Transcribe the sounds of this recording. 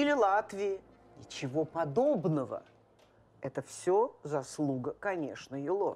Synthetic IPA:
ilʲɪlˠat̪vʲɪjɪ | nʲɪt͡ɕɪvopɐd̪o̞bnəvə̰ | ɛt̪əfsʲozɐslˠuɡəkɐnʲe̞ʂnəɪlˠo̰

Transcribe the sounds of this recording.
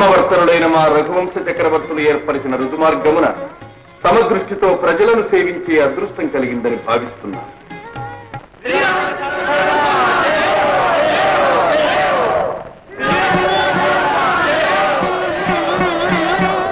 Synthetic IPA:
mɐʋɐɾt̪ɐnuɽɐjnɐmaːɾɐɡʱuʋɐmsɐt͡ʃɐkɾɐʋɐɾt̪ulueːɾpɐɾisinɐɾud̪ʱumaːɾɡɐmunɐ̰ | sɐmɐd̪ɾuʂʈit̪o̞ːpɾɐd͡ʒɐlɐnuse̞ːʋiɲt͡ʃeːɐd̪ɾuʂʈɐŋkɐliɡind̪ɐnibʱaːʋist̪unːa̰ː

